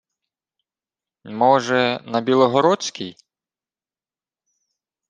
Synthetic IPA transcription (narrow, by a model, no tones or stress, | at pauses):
mɔʒɛnɐbʲilˠɔɦɔɾɔt͡sʲkʲij